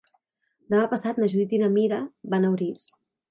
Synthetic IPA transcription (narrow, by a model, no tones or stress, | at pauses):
namapəsat̪̚naʒuðit̪inamiɾaβanawɾis